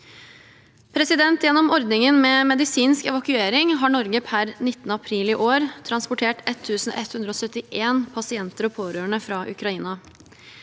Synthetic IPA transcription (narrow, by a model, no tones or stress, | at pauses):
pʰɾɛsɪd̪ɛnt̪jɛnːɔmɔɾd̪nɪŋənmɛːmɛd̪ɪsiːnskɛ̰ʋɑkʉeːɾɪŋɦɑːɳɔɾɡəpʰæɾnɪt̪ːənəɑpʰɾiːliːʔoːɾt̪ʰɾɑnspʊʈʰeːʈɛt̪ʰːʉːsn̩ʔɛt̪hʉnd̪ɾəoːsœt̪ːɪʔeːnpʰɑsɪɛnt̪əɾɔpʰoːɾøːəɳəfɾɑʔʉ̰kɾɑiːnɑ